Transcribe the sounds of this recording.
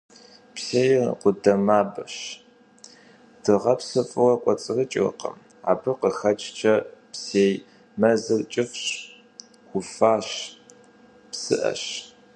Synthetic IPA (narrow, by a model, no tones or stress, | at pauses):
pseːjqʷʊdɐmaːbɨɕ | d̥ɨʁɐpsɨfʼɨwɐkʷʼɔt͡sʼɨrɨt͡ʃʼɪw̰qɐ̰m | a̰ːbɨqəxɐt͡ʃʼt͡ʃʰɐpseːj | mɐzɨrt͡ʃʼɪfɕʼ | xʷʊfaːɕ | psɨ̰ʔɐ̰ɕ